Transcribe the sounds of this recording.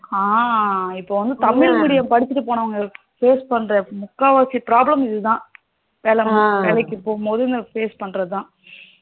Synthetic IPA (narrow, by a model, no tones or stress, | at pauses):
aːɪpːoːʋɐnd̪ɯt̪ɐmɪlmɪɽɪjɐmpɐɽɪt͡ʃːɪʈːɯpoːɳɐʋɐŋɡɐ | feːspɐɳːɾɐmʊkːaːʋaːsipɪɾaːblɐmɪðɯt̪ãː | peːlɐmpeːlɐɪkːɯpoːɣɐmpoːðɯɪnd̪ɐfeːspɐɳːɾɐðɯt̪ãː